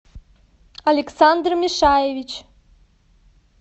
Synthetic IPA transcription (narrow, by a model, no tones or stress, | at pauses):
alʲeksand̪rmʲiʂajevʲit͡ɕ